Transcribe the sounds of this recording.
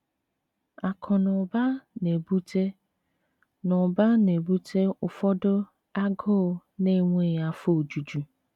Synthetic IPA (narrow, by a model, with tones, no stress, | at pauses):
a˨kʰʊ˨nʊ˨ba˦ne˨bu˦te˦ | nʊ˨ba˦ne˨bu˦tʰe˦ʊ˨fɔ˦dʊ˦ | a˦ɡo˦˨ne˦˨ŋʷe˦˨ja˨fo˦˨d͡ʒu˨d͡ʒu˨